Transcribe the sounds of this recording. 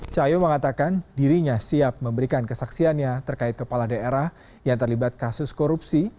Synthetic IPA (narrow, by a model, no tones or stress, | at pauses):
t͡ʃajoməŋat̪akandiɾiɲasiap̚məmbəɾikankəsaksianɲat̪ərkaɪt̪̚kəpaladaeɾah | jaŋt̪ərlibat̪̚kasʊskoɾup̚si